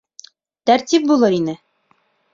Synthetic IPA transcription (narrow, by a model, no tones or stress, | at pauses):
t̪æɾt̪ip̚bulˠɤɾinɘ